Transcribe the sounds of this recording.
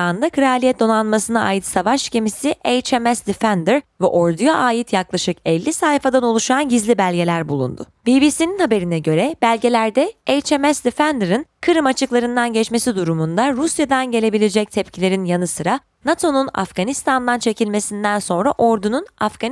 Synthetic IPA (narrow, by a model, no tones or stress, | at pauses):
and̪akʰɾealʲiɛt̪̚d̪o̞nanmasɯnaʔa̰ːjit̪savaʃce̞misiʔejt͡ʃɛmɛsd̪ifænd̪ɾvɛ̰ʔo̞ɾd̪ujaʔaːjit̪ʰjaklˠaʃɯkɛlʲːisajfad̪ano̞lˠuʃanɟizlʲibælʲɟe̞lʲæɾbulˠṵnd̪ʊ̰ | b̥ibiːsininhabe̞ɾinɛɟø̞ɾɛb̥ælʲɟe̞lʲæɾd̪ɛejt͡ʃemɛsd̪ifænd̪ɾɯnkʰɯɾɯmat͡ʃʰɯklˠaɾɯnd̪anɟɛt͡ʃme̞sid̪uɾumund̪aɾusjad̪anɟe̞lʲe̞bilʲed͡ʒɛc̚t̪ʰɛpcʰilʲe̞ɾinjanɯsɯɾa | nat̪ʰo̞nuna̰fɡ̥anist̪ʰand̪ant͡ʃʰe̞cʰilʲme̞sind̪ænso̞nɾaʔo̞ɾd̪ununafɡ̥an